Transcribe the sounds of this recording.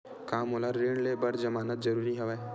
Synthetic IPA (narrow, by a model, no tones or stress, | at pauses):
kaːmɦolaɾːeːɳɖlebɐɾd͡ʒɐmaːnət̪̚zɐɾuːɾiɦɛʋa